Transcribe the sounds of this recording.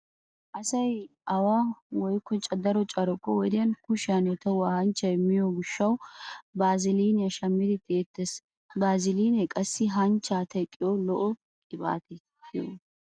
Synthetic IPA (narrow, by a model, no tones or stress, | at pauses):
ʔɐsɐj | ɐwaːwɔjkʰːɔt͡ʃʼɐd̪ɐɾɔt͡ʃʼɐɾɔkːɔwɔd̪ɪjɐnkʊʃɪɐnɛt̪ɐwahɐnt͡ʃːɐjmɪjɔɡʊʃːɐwbaːzɪliːnɐʃɐmːɪd̪ɪt̪eːt̪ːɛs | baːzɪliːnɛkʼɐsːɪɦɐnt͡ʃːaːt̪ɐkʼːɪjɔlɔʔɔ | kʼɪba̰ːt̪ɛ